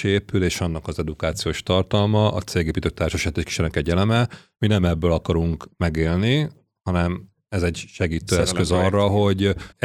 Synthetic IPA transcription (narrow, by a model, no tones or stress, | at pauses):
eːpyleːʃɒnːɒkɒzɛd̪ukaːt̪sijoːʃt̪ɒrt̪ɒlmɒʔɒt̪seːɡeːpit̪øk̚t̪aːrʃɛʃɛt̪ːeːʃki̥ʃɛnɛkɛɟɛlɛmɛ | minɛmɛbːøːlɒkɒɾuŋkmɛɡeːlni | hɒnɛm | ɛzɛɟʃɛɡiːt̪øːɛskøzɒrːɒɦo̞ɟ